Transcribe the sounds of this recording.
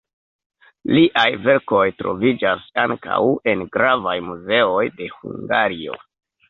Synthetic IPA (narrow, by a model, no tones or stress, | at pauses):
liʔajve̞ɾko̞jtɾo̞̰vid͡ʒasaŋka̰we̞nɡɾavajmuze̞o̞jde̞hṵŋɡaɾio̞̰